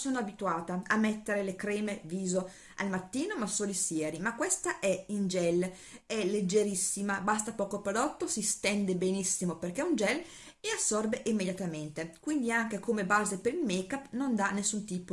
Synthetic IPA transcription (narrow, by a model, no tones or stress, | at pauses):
soːnoabit̪uaːt̪aamːɛt̪ːeɾelekɾɛːmeviːzo | a̰lmat̪ːiːnomasːoːlisjɛːɾimakːwest̪aʔɛind͡ʒɛl | ɛlːed͡ʒːeɾisːimabast̪apɔːkopɾod̪ɔt̪ːosist̪ɛnd̪ebenisːimoperkɛund͡ʒɛl | easːɔrbeʔimːed̪jat̪ament̪ekwind̪iaŋk̟ekomebaːzepeɾilmekapːnond̪anːesːunt̪iːp